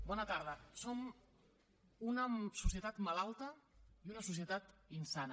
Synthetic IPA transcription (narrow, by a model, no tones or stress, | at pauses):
bɔnət̪aɾð̞əsom | unəsusiət̪at̪malalˠt̪əiunəsus̬iət̪at̪insanə